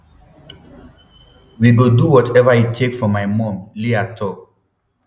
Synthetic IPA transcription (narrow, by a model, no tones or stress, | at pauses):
wiɡoduwɔtʰɛvəjitʰekfɔmajmɔ̃mliatʰɔ